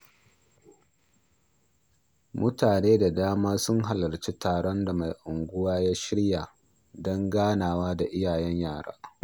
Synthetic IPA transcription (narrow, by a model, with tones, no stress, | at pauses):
mʊ˦taː˨neː˦da˨daː˦maː˦sʊ˦ŋɦa˨lɐ˨rt͡ʃi˦taː˨ɽɔ˦nda˨ma˨jʔʊ˨ŋɡʷʊ˦waː˦jaː˦ʃɪ˦ɽjaː˨ | dɔ˦ŋɡaː˦naː˨waː˦da˨ʔɪ˦jaː˨jɛ˦ɲjaː˦˨ɽa̰ː˦